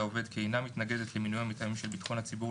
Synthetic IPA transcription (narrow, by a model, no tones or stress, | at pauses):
ove̞d̪keːjnamit̪naɡe̞d̪e̞t̪leminujamit̪amimʃe̞lbit̪χo̞nhat͡sibu